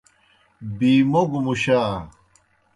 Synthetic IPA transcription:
biːmoɡumuɕaː

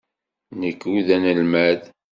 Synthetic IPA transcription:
nəkːuðænəlmæð

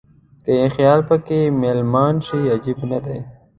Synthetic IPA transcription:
kəjexjɑːlpəkemelmɑːnʃiad͡ʒibnad̪aj

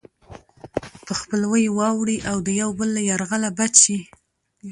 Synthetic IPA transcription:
pəxpəlwəjwɑwɽiʔawd̪əjawbəlːajaɾɣalabat͡ʃi

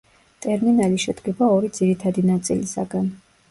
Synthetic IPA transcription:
t̪ʼɛɾminaliʃɛd̪ɡɛbaɔɾid̪ziɾit̪ʰad̪inat̪sʼḭlisa̰ɡan

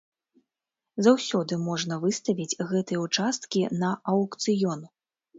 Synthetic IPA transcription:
zawsʲɔd̪ɨmɔʐnɐvɨst̪ɐvʲid͡zʲɣɛt̪ɨjɛut͡ʂast̪kʲinɐʔɐwkt̪sɨjɔnu

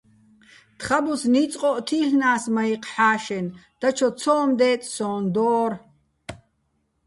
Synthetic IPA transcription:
t̪χabusniːt͡sʼqʼɔʔt̪ʰiːɬnaːsmaiqħaːʃɛnd̪̥at͡ʃʰɔt͡sʰɔːmd̪ɛːt̪ʼsɔːnd̪ɔːr

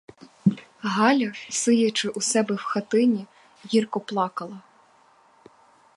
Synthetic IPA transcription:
ɦɑlʲɐsɪjɐt͡ʃɪʔusɛbɛwxɐt̪ɪnʲi | jirkɔplˠɑkɐlˠɐ

